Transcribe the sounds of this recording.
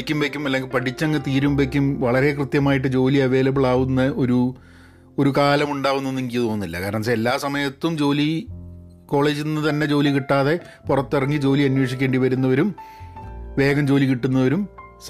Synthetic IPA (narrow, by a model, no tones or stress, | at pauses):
kʲːumbekʲːumɐlːe̞ŋɡilpɐʈʰit͡ɕːɐŋːɨt̪iːɾumbekʲːumʋɐɭɐɾe̞krɨt̪jɐmaːjiʈ̬ːɨd͡ʑo̞ːliɐʋe̞ːlɐbiɭaːʋunːɐʔo̞ɾu | oɾukaːlɐmuɳɖaːʋwunːenːiŋɡijɐðoːnːilːɐkaːɾɐɳɐs̬eelːaːsɐmɐjɐt̪ːumd͡ʑo̞ːli | ko̞ːɭe̞ːd͡ʑinːɨt̪ɐnːe̞t͡ɕo̞ːlikiʈːaːðe̞ | purɐt̪ːirɐŋːid͡ʑo̞ːliɐnweːʂikʲːe̞ːɳɖiʋɐɾunːɐoɾum | ʋe̞ːɡɐmd͡ʑo̞ːlikiʈːunːɐoɾum | s